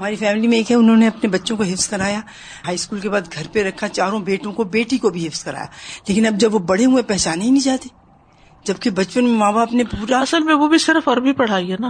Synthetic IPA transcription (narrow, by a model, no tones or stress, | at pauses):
ɦɐmaːɾifɛːmɪlimẽeːkɦɛʊnɦõneɐpnebɐtːʃõkoɦɪfskɐɾaːja | ɦaːiskuːlkebaːd̪ɡʱɐɾpeɾɐkʰat͡ʃaːɾõbeːʈõkobeːʈikobʱiɦɪfskɐɾa̰ːja̰ːleːkɪnɐb̚d͡ʒɐbʋobɐɽeɦuepɛɦt͡ʃaːneɦinĩd͡ʒaːt̪eː | d͡ʒɐb̚kebɐt͡ʃpənmẽmãːbaːpnepuːɾaɐsəlmẽʋobʱisɪɾfɔɾbʱipɐɽ̤aːiɛna